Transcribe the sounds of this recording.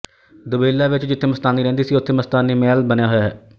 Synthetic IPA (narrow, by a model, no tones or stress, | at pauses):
d̪ʊbeːlːaːʋɪt͡ʃd͡ʒɪt̪ʰːeːməst̪aːnːiːɾɛ̃ːnd̪iːsiːʊt̪ʰːeːməst̪aːnːiːmɛːlbənejaːɦojaːɦɛː